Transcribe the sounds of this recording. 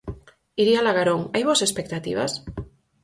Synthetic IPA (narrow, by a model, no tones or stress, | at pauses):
iɾialaɣaɾoŋajβosespek̚t̪at̪ḭβ̞a̰s